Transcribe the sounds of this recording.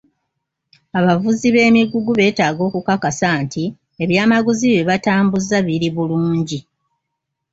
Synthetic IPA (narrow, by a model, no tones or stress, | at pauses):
aβavuziβe̞ːmiɡuɡuβe̞ːtaːɡo̞ːkukakasantʰi | e̞βjaːmaɡuziβeβataːmbuzaβiɾiβuluːɲɟi